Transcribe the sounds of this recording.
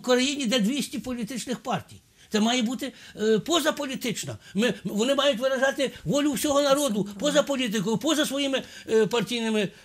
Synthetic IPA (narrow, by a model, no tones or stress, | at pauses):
kɔɾɐjinʲid̪ɛd̪ʲʋʲisʲtʲipɔlʲit̪ɪt͡ʃnɪxpɑrtʲḭj | t̪sɛmɑjɛbut̪ɪpɔzɐpɔlʲit̪ɪt͡ʃnɐ̰mɪʋɔnɪmɑjʊtʲʋɪɾɐʒɑt̪ɪʋɔlʲʊwsʲɔɦɔnɐɾɔd̪ʊpɔzɐpɔlʲit̪̬ɪkɔjʊpɔzɐsʋɔjimɪpɐrtʲijnɪmɪ